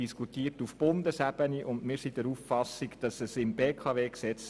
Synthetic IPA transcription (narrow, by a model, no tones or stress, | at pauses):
iskutiːtufb̥ʊndəsæb̥əniʔʊnmɪːɾsidɛɾuffɑsiɡd̥ɑsəsɪmbeːkʰɑveːksɛt͡s